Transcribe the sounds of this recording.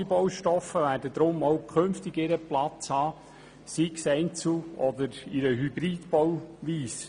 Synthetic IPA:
bɔwʃtɔfːəʋæːdəd̪ɾʊmɔwkʰønftɪɡɪɾəplɑt͡shɑː | siksɛɪnt͡sl̩ɔd̪əɾɪɾəɦybɾiːdb̥ɔwʋiːs

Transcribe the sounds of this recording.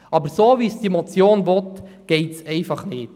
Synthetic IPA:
ʔɑbəɾsoːʋisd̥iɛmɔt͡sjoːnvɔtɡ̥ɛɪtsɛɪfɑχnɪːt

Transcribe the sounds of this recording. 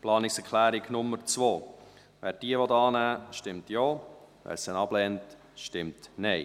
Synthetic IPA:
plɑːnɪksɛɾkʰlæːɾiɡnʊmːəɾt͡svoː | vʋæːɾd̥iəʋɔtɑːnæːʃtɪmtjoː | væ̰ːɾsənɑb̥lɛnt | ʃtɪmtnɛɪ

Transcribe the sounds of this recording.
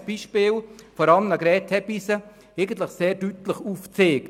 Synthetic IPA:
sb̥iːʃpɪːlfɔɾɑləmnɑɡɾɛːtʰɛbisə | eɪɡən̩tləχseːɾd̥ytləχuːft͡seːk

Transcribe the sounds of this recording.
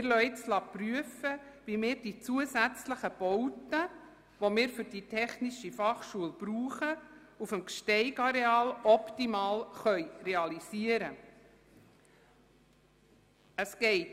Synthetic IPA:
ɪɾlœʏtslɑpryəfəʋimɪːɾd̥it͡suəsæt͡sləχəb̥ɔwtə | ʋomɪːɾfʏɾd̥itʰɛχniʃifɑχʃuəlb̥ɾuːχə | ufəmkʃtɛɪɡɑɾeɑːlɔptimɑːlχœʏɾeɑlisiəɾə | əsɡɛɪt

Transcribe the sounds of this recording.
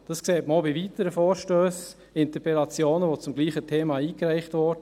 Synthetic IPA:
d̥ɑskseːtməobiʋitəɾəfɔːɾʃtøːs | ɪntəpɾɛlɑt͡sjoːnəʋot͡sʊmɡliːχətʰeːmɑiːkɾæɪχtvɔɾdə

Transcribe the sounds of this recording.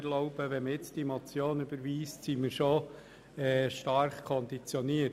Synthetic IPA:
ɾlɔʊb̥əʋɛməjɪt͡sd̥imɔt͡sjoːnyb̥əɾʋiːstsiməɾʃo | ɛʃtɑɾχkʰɔndit͡sjɔniə

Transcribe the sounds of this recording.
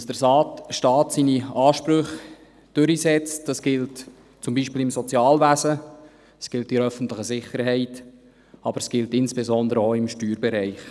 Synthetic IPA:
sd̥əɾsɑːtʃtɑːtsiniɑːʃpɾʏχ | d̥ʏɾisɛt͡std̥ɑsɡ̥ɪlt | t͡sʊmbiːʃpiːlɪmsɔt͡sjɑːlvæzə | ɛsɡ̥ɪltɪɾœfən̩tləχəzɪχəɾɦɛɪt | ɑb̥əɾsɡ̥ɪltɪnsb̥ezɔnd̪əɾəoɪmʃtyːɾbɛɾɛɪχ

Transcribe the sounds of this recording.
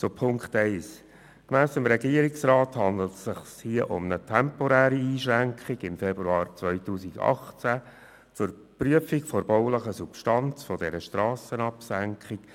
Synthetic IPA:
t͡sopʰʊŋkχtɛɪs | kmæːsɪmɾɛɡiəɾɪksrɑːthɑnd̪l̩tsɪχshiəʔʊ̰mnətʰɛmpɔɾæːɾiiːʃɾæŋkχɪɡɪmfɛbɾuɑːɾt͡sʋœʏtuːsiɡɑ̰χt͡sæ | t͡sʊɾ | pryəfikfɔɾb̥ɔʊləχəsupʃtɑnt͡sfɔdɛɾəʃtɾɑːsənɑpsæŋkχɪk

